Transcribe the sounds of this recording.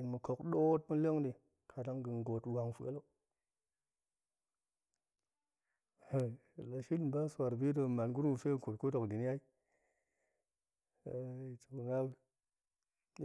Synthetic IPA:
i˨nmə˨ko˨kɗo˦t̚mə˦le˦ŋdi˨ | kʰa˨da˦ŋɡɨ˨n˨ɡo˨twa˨ŋfu˨a˦lo˦˨ | la˨ʃi˦lba˦sa˨ɾbi˦do˦˧˨ma˨nɡu˦n˦wu˨fe˦˨ko˨tko˦do˨kdi˨n˦ja˦i˦˨˦ | i˨t͡ʃu˨ku˨ŋa˦bə˦

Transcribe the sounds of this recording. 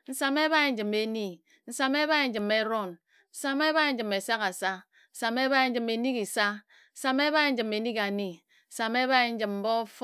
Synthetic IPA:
n̩˦sa˨me˦βa˦i˨n̩˦d͡ʒɨ˨me˨ni˦ | n̩˦sa˨me˦ba˦e˨n̩˦d͡ʒɨ˨me˦ɾɔ˦˨n | n̩˦sa˨me˦βa˦˨n̩˦d͡ʒɨ˨me˨sa˦ka˨sa˦ | n̩˦sa˨me˦ba˦e˨n̩˦d͡ʒɨ˨me˨ni˦ki˨sa˦ | n̩˦sa˨me˦βa˦e˨˦n̩˦d͡ʒɨ˨me˨ni˦ka˨ni˦ | n̩˦sa˨me˦βa˦e˨n̩˦d͡ʒɨ˨mm̩˦bɔ˦f

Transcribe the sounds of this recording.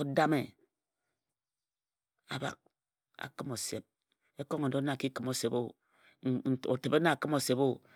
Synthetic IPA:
o˦da˦me˨ | a̰˨ba̰˨k̚ | a̰˨kɨ˦mo˨sḛ˨p̚ | e˦ko˦ŋo˨do˦na˨ki˦kɨ˨˦mo˨se˨bo˦˨ | o̰˨te˨be˦na˦˨a˨kɨ˦mo˨se˨bo˦

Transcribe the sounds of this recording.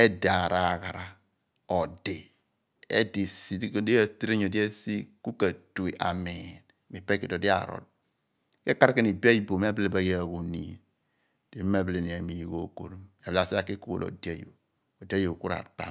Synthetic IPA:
e˦da˨ɾa˨ɣa˨ɾa˨ | o˨de˨ | ḛ˦di˨si˨˦i˦a˦˨tɾe˦ɲ˨o˨di˦e˦si˦ku˦ka˨tu˨e˨ʔa̰˨me˨n | mi˨pe˦ke˨do˨di˦a̰˨ɾɔ̰˨t̚ | ke˦ka˦ɾke˦ni˨bi˦a˦ji˦˨bo˨m˦a˦ble˨ba˨ja˦˨ɣo˨ni˨ | d̥e˨˦i˦m˦a˦ble˨ni˨a˨mi˨jɣo˨ko˨ɾo˦ma˨ba˨si˦a˦ki˦ku˦wo̰˨lo̰˨di˦a˦jo̰˨ | o˨di˦a˦jo˨ku˦ɾa̰˨pa̰˨

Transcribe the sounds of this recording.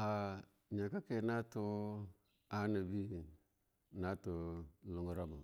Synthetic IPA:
a˨ | ɲa˨ka˦ke˨na˦tu˦ | a˦ni˨bi˦ | na˦tu˨lu˨ŋu˨ɾa˦mu˨

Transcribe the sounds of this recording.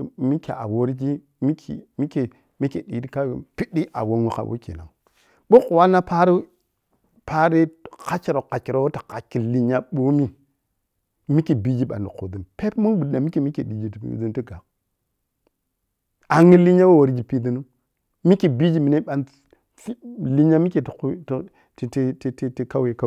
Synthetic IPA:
mi˦kḛ˨a̰˨wo˦ɾd͡ʒi˦ | mi˦kʰḭ˨mi˦ke˨ | mi˦ke˨di˨di˦ka̰˦˨pi˦di˦ʔa̰˨wo˦ŋu˦ka̰˨wʔo̰˦kḛ˨na˨ | ɓu˦ku˨wa˦na˦pa˦ɾi˦ | pa˦ɾi˦ka˦t͡ʃi˨ɾa˨ka˨t͡ʃi˨ɾo˨wo˦tḁ˨ka˨ki˨li˦ɲa˦ɓo˦mi˦ | mi˦ki˨bi˦d͡ʒi˦ɓa̰˨ndi˨kṵ˨di˨npe˦tmu˦nbu˨da˨mi˦ki˨mi˦ki˨di˨d͡ʒi˨ti˨pḭ˨˦di˦nti˦ɡa˨k | a˨ŋi˦li˦ɲa˦wo˦wo˨ɾd͡ʒi˨pi˨di˦nu˦ | mi˦ki˨bi˦d͡ʒi˦mi˨ne˦ɓa˨n˦ | li˦ɲa˦mi˦ke˨t | tti˦ti˦ti˦ti˦ka˦we˨ka˦

